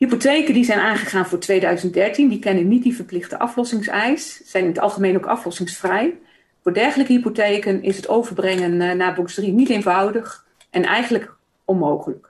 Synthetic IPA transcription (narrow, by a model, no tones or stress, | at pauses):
ɦipotejkəndizɛjnʔaːnχəχaːnvʊːɹtʋejdœɥzəntdɛɹtindikɛnənːit̚divəɹplɪχtə̰ʔɑflɔsɪŋsɛjssɛjnɪnətɑ̰lˠχəmejnowkɑ̰flɔsɪŋsfrɛj | fʊːɹdɛɹχələkəɦipotejkənɪsɦətowvəɹbrɛŋənnaːbɔksdrinitejnvɑwdəχ | ʔɛnʔɛ̰jχənlək | ɔnmowχələk